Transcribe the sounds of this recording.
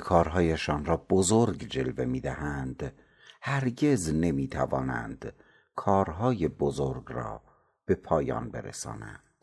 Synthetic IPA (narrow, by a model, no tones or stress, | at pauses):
kʰɒːɾɦɒːjeʃɒːnɾɒːbozoɾɡd͡ʒe̞lve̞miːd̪æhænd̪̥ | hæɾɟe̞zne̞miːt̪ʰævɒ̰ːnæ̰nd̪̥ | kʰɒːɾɦɒːje̞bozoɾɡrɒ̰ː | b̥e̞pʰɒːjɒ̰ːnbe̞̰ɾḛsɒ̰ːnæ̰nd̪̥